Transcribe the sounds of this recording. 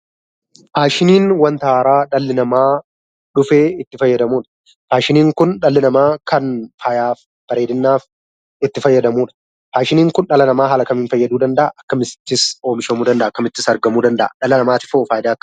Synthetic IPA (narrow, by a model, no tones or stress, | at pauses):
haːʃɪniːnwɐnt̪ɐaːɾaːᶑɐlːɪnɐmaː | ᶑʊfeːɪt̪ːɪfɐjːɐd̪ɐmuːᶑɐ̥ | haːʃɪniːŋkʊnᶑɐlːɪnɐmaːkɐnfajaːf | b̥ɐɾeːd̪ɪnːaːf | ɪt̪ːɪfɐjːɐd̪ɐmuːᶑɐ̥ | haːʃɪniːŋkʊnᶑɐlɐnɐmaːɦɐlɐkɐmiːnfɐjːɐd̪uːd̪ɐnd̪ɐʔa̰ʔɐkːɐmɪst̪ːɪso̞ːmɪʃɐmuːd̪ɐnd̪ɐʔaːkːɐmɪt̪ːɪsɐɾɡɐmuːd̪ɐnd̪ɐ̰ʔɐ̰ᶑɐlɐnɐmaːt̪ɪ̥foːfaːjɪd̪aːɐkːɐ̥